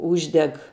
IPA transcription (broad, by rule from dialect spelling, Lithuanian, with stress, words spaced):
ˈuːʒʲdʲɛk